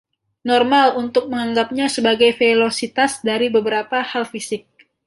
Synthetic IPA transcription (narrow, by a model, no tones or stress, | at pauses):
nɔrmalunt̪ʊk̚məŋaŋɡap̚ɲasəbaɡajfelosit̪asdaɾibəbəɾapahalfisɪk̚